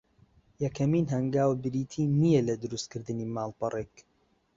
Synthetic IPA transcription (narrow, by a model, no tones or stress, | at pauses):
jɐkʰɐmiːnɦɐŋɡaːwbɨɾiːt̪ʰiːnijɛlɐd̪ʊɾust̪̚kɨɾd̪ɨniːmaːlˠbɐrʔeːk